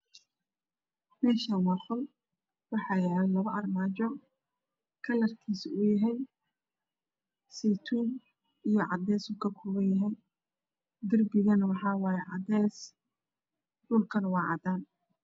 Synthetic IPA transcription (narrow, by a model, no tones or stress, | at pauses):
mɛːʃanwɑːχʊl | wɑħɑːjɛːlɛlɐβɐʔɐrmaːt͡ʃɔ | kʰɐlɐrkʰiːsʊjɐɦɛj | siːt̪ʰuːn | ijɞʕɑd̪ɛːsuːkʰɐkʰʊːβɐnjɐɦɛj | ɡ̪ɐrbɪɣɐnwɑħɑːwɑːjɛʕɑd̪ɛːs | ɖʊlkʰɐnwɑːʕɑ̰d̪aːn